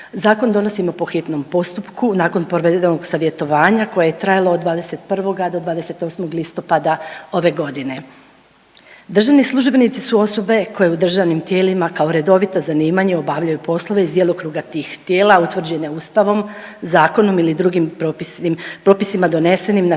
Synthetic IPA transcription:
zaːko̞nd̪o̞no̞simo̞po̞xit̪no̞mpo̞st̪upkunaːko̞npoɾʋed̪enoɡsaʋje̞t̪o̞ʋaːɲako̞jajet̪ɾajalˠood̪ʋaːd̪e̞se̞t̪̚pr̩ʋo̞ɡad̪o̞d̪ʋaːd̪e̞se̞t̪o̞ːsmo̞ɡlist̪o̞pad̪ao̞ʋe̞ɡo̞d̪ine̞ | d̪r̩ʒaʋnislˠuʒbe̞nit̪sisuo̞so̞be̞kʰo̞jeud̪r̩ʒaʋnimt̪je̞ːlimakao̞ɾe̞d̪o̞ʋit̪o̞zaniːmaɲeo̞baʋʎajupo̞slˠo̞ʋe̞izd̪jelokɾuɡat̪iːxt̪je̞ːlaut̪ʋr̩d͡ʑe̞neuːst̪aʋo̞mzaːko̞no̞milid̪ɾuɡimmpɾo̞ːpisimad̪o̞ne̞se̞nimna

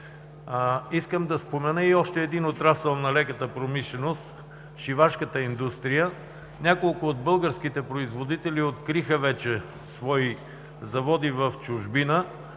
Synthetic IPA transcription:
iskəmd̪ɐspomɛnəiɔʃt̪ɛːd̪inot̪ɾasɛlˠnɐlɛkət̪əpɾomiʃlɛnost̪ | ʃivaʃkət̪əind̪ust̪ɾijə | nʲakolˠkʊːd̪bɤlˠɡəɾsk̟it̪ɛpɾoizvod̪it̪ɛliot̪kɾixəvɛt͡ʃɛ | svɔi | zɐvɔd̪ivəft͡ʃʊʒbinə

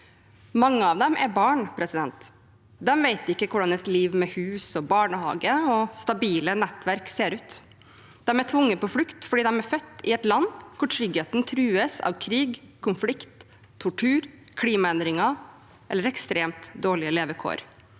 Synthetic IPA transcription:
mɑŋːəɑʋd̪ɛmʔæ̰ɾbɑːɳpʰɾɛsɪd̪ɛnt̪ | d̪ɛmʋeɪt̪ɪkːəkʰʊɖɑnɛt̪liːʋmɛhʉːsɔbɑːɳəhɑ̰ːɡəɔst̪ɑbiːlənɛt̪ːʋæɾkseːɾʉːt̪ | d̪̥ɛmæʈʰʋʊŋːəpɔflʉkt̪fɔɖiːd̪ɛmæɾfœt̪ːɪɛt̪lɑnːkʰʊʈʰɾʏɡheːt̪nt̪ʰɾʉːəsɑ̰ʋkʰɾiːɡkʰʊnflɪkt̪ʰː | ʊʈʰʉːɾkʰliːmɑɛnd̪ɾɪŋɑ | ʔɛlːəɾɛkst̪ɾeːmt̪d̪oːɭɪəleːʋəkʰo̰ːɾ

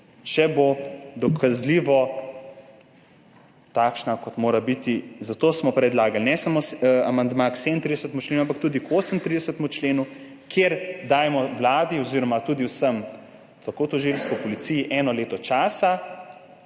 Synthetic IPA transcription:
t͡ʃɛbod̪ɔkʰazliʋɔ | t̪aːkʃnakɔt̪moːɾabit̪izat̪oːsmɔpɾɛd̪laːɡalnɛsamosamand̪makseːd̪ənt̪ɾid̪ɛsət̪mut͡ʃleːnuampakt̪uːd̪ikoːsəmt̪ɾid̪ɛsət̪mut͡ʃleːnu | kʰjeɾd̪aːjmɔwlaːd̪iɔziːɾɔmat̪uːd̪iwsəm | t̪akot̪ɔʒilst̪ɔpɔlit̪sijiʔɛːnɔleːt̪ɔt͡ʃaːsa

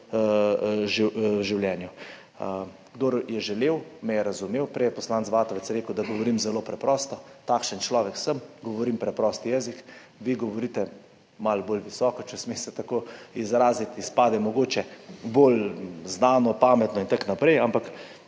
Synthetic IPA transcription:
ʒiʒiwljɛːnju | ɡd̪oːɾjɛʒɛleːwmɛjɛɾazumeːwpɾɛjɛpɔslaːnt̪sʋaːt̪ɔʋɛt̪sjɛɾeːkəwd̪aɡɔʋɔɾiːmzɛloːpɾɛpɾɔːst̪ɔt̪aːkʃənt͡ʃlɔːʋɛksəmɡɔʋɔɾimpɾɛpɾɔst̪ijɛːzik | ʋiɡɔʋɔɾiːt̪ɛ | malboːlʋisɔːkɔt͡ʃɛsmesɛt̪akoizɾaːzit̪ispaːd̪ɛmɔɡoːt͡ʃɛbolznaːnɔpaːmɛt̪nɔint̪aknapɾɛjampak

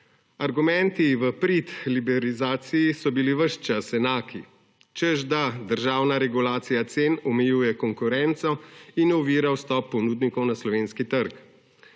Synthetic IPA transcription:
aɾɡumɛnt̪iʋəpɾit̪libɛɾizaːt̪sijisɔbiliʋəʃt͡ʃasɛnaːki | t͡ʃɛzd̪ad̪əɾʒaːwnaɾɛɡulaːt̪sijat̪seːnɔmɛjuːjɛkɔŋkuɾɛnt̪sɔinɔʋiːɾawst̪ɔpːɔnuːd̪nikɔwnaslɔʋeːnskit̪əɾk

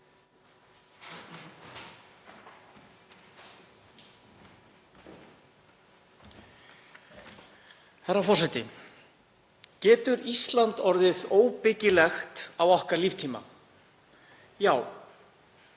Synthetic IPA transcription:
haɾafɔr̥sɛt̪ɪ | cɛːt̪ʏɾist̪lant̪ɔɾðɪðoːwpɪcɪlɛxt̪awɔhkaɾliːft̪ʰiːma̰ | jaːw

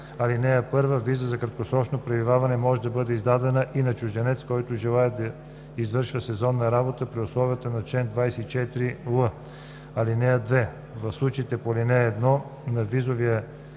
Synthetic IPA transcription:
ɐlinɛɐpɤɾvəvizəzɐkɾɐt̪̚kosɾɔt͡ʃnopɾɛvivavɐnɛmɔʒɛd̪ɐbɤd̪ɛizd̪ad̪ɛnəʔinɐt͡ʃʊʒd̪ɛnɛt̪skɔjt̪ʊʒɛlˠaɛd̪ɐ | izvɤɾʃvəsɛzɔnːɐɾabot̪əpɾiʊslˠɔvijət̪ənɐt͡ʃɛnd̪vajsɛit͡ʃɛt̪ɾilˠə | ɐlinɛəd̪vɛ | vɐfslˠut͡ʃit̪ɛpolinɛːd̪nɔ | nɐvizoviə

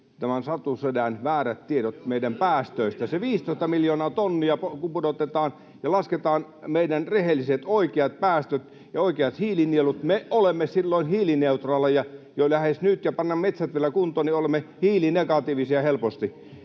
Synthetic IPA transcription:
t̪æmænsɑt̪usødænʋæːɾæt̪t̪iedot̪meˑidæmpæːst̪øˑist̪æseʋiːst̪oˑist̪ɑmiljoːnɑːt̪onːiɑpokupudot̪et̪ɑːn | jɑlɑsket̪ɑːn | meidænrehelːˑiset̪oˑikeɑt̪̚pæːst̪øt̪ | jɑoˑikeɑt̪hiːlinielut̪meolemːesilːoˑinhiːlineut̪rɑlːɑjɑjolæhesnyt̪jɑpɑnːɑmmet̪sæt̪ʋielækunt̪oːniolemːehiːlineɡɑt̪iːʋisiɑhelpost̪i

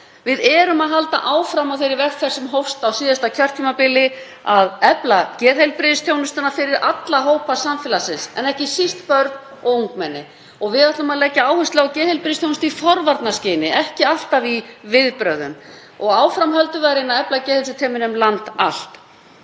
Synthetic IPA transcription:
vɪðɛːɾʏmaðɦalt̪a̰ʔaːwfɾamawθfejɾɪɾvɛt̪θɛr̥sːɛmɦowfst̪awsiːðast̪acʰœr̥t̪ʰiːmapɪlːɪ | aðɛplacɛːðhejlpɾɪðst̪jownʏst̪ʏnafɪɾɪɾat̪laɦoːwpasamfɛlasɪnsɛ̰nɛhcɪsist̪pœɾt̪n | ɔɣuŋkmɛnːɪ | ɔɣvɪðaht̪lʏmaðlɛcːaaːwhʏst̪lawcɛːðhejlpɾɪðɪst̪jownʏst̪ifɔɾvaɾt̪nascɪːnɪʔɛhcɪal̥t̪avivɪðpɾœːðʏ̰m | ɔɣaːwfɾamhœlt̪ʏðaɾɪnːaðɛplacɛːhɪlsʏt̪ʰɛːmɪnʏmlant̪a̰l̥t̪

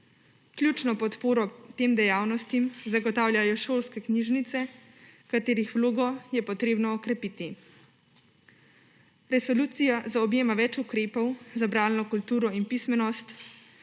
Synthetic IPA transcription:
klʲjuːt͡ʃnɔpɔt̪poːɾɔt̪eːmd̪ɛjaːwnɔst̪imzaɡɔt̪aːwlʲjʲajɔʃoːlskɛkniʒnit̪sɛ | kat̪eːɾixʋloːɡɔjɛpɔt̪ɾeːbnɔːkɾɛpiːt̪i | ɾɛsɔluːt̪sijazaɔbjeːmaʋɛt͡ʃukɾeːpɔwzabɾaːlnɔkult̪uːɾɔinpismɛnɔst̪

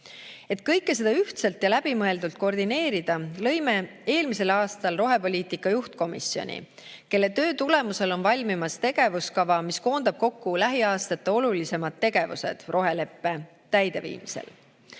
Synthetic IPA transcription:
e̞t̪̚ˑkɤ̞jkːˑe̞s̬e̞d̪ɑyht̪selt̪jɑlæb̥imɤe̞ld̪ult̪̚ko̞rd̪ine̞ːɾid̪̥ɑlɤ̞jme̞e̞ːlmise̞lɑːst̪ɑlro̞ɦe̞po̞lʲiːt̪ikːˑɑjuht̪̚ko̞misio̞̰nʲḭ | ke̞lːe̞t̪øːt̪ule̞muse̞lo̞nvɑlʲmimɑst̪e̞ɡ̥e̞vuskɑvɑmisko̞ːnd̪̥ɑb̥̚ko̞kːulæɦiɑːst̪ɑt̪ːˑeo̞lulise̞mɑd̪̥̚ːe̞ɡ̥e̞vṵse̞̰d̪̥ro̞ɦe̞le̞pːe̞ | t̪æjd̪̥e̞vḭːmisḛl

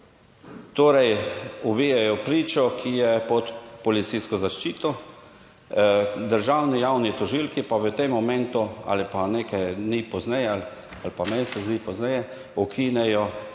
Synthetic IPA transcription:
t̪oːɾɛjubijɛjɔpɾiːt͡ʃɔkʰijɛpɔt̪pɔlit̪sijskɔzaʃt͡ʃiːt̪ɔ | d̪əɾʒawnijawnit̪ɔʒilkipaʋət̪emːɔmɛ̃nt̪ua̰lipaneːkaj̪nipɔznɛjɛal | alpamɛnsɛzd̪iːpɔznɛjɛ | ɔkʰinɛjɔ

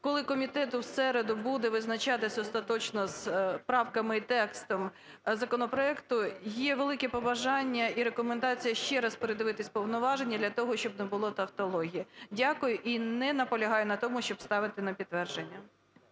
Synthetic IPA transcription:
kɔlˠɪkɔmʲit̪ɛt̪ʊsɛɾed̪ʊbud̪ɛʋɪznɐt͡ʃɑt̪ɪsʲɐɔst̪ɐt̪ɔt͡ʃnɔspɾɑwkɐmɪit̪ɛkst̪ɔm | zɐkɔnɔpɾɔɛkt̪ʊjɛʋelˠɪkɛpɔbɐʒɑnʲːɐiɾekɔmend̪ɑt͡sʲijɐʃt͡ʃɛɾɐspeɾɪd̪ɪʋɪt̪ɪsʲpɔwnɔʋɑʒenʲːɐd̪lʲɐt̪ɔɦɔʃt͡ʃɔbnɛbʊlˠɔt̪ɐwt̪ɔlˠɔɦʲijɐdʲɑkʊjʊʔinɛnɐpɔlʲɐɦɑjʊnɐt̪ɔmʊʃt͡ʃɔbst̪ɑʋɪt̪ɪnɐpʲid̪ːʋɛrʒenʲːɐ

